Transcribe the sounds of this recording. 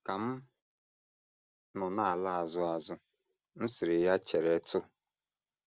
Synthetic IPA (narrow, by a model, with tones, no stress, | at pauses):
ka˨m̩˦ | nʊ˨na˦˨a˨la˦a˨zʊ˦a˨zʊ˦ | n̩˦sɪ˨ɾɪ˨ja˦t͡ʃe˨ɾe˨˦tʊ˦